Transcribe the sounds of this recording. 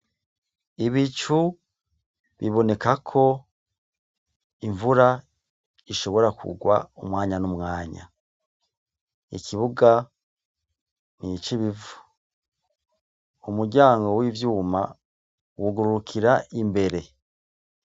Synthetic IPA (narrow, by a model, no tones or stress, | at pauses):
iβit͡ʃu | βiβo̞ne̞kakʰo̞ | iɱvuɾa | iʃo̞βo̞ɾakṵɡwa̰umwaːɲanumŋaːɲa̰ | ikiβuɡa | nit͡ʃiβivu̥ | umuɟaːŋɡo̞wivjuːma̰ | wuɡuɾuɾukʰiɾaimbe̞ɾe̞